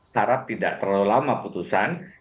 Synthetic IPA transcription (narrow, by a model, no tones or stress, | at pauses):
aɾap̚t̪idaʔt̪ərulamaput̪usan